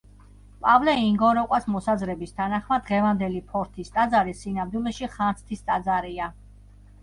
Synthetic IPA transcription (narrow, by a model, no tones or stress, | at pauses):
pʼavlɛiŋɡɔɾɔqʼwasmɔsazɾɛbist̪ʰanaχmad̪ʁɛvand̪ɛlipʰɔɾt̪ʰist̪ʼad̪zaɾisinamd̪wulɛʃiχant̪sʰt̪ʰist̪ʼad̪zaɾia